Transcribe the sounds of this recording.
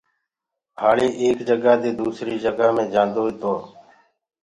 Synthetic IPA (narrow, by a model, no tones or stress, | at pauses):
haːɭeːʔeːkd͡ʒəɡaːd̪eːd̪uːsɾiːd͡ʒəɡaːmẽːd͡ʒãːnd̪oːiːt̪oː